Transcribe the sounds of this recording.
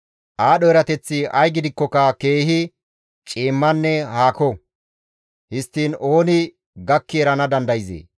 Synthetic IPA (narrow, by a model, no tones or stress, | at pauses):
ʔaːɗɔɛɾɐt̪ɛt͡sːɪɐjɡɪd̪ɪkːɔkɐke̞ːhɪ | t͡ʃʼiːmːɐnːɛhaːkɔ | hɪst̪ːiːno̞ːnɪ | ɡɐkːɪɛɾɐnɐd̪ɐnd̪ɐjzḛː